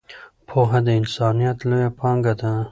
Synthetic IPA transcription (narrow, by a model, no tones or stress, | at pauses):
pʰoɦad̪əɪnsɑːnijat̪lojapʰɑŋɡad̪a